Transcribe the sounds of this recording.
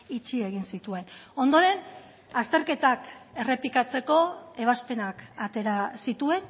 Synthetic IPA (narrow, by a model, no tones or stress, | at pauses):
it͡ʃie̞ɣ̞insit̪ue̞no̞nd̪o̞ɾe̞n | ast̪e̞ɾke̞t̪ake̞re̞pikat͡se̞ko̞e̞β̞aspe̞nakat̪e̞ɾasit̪ue̞n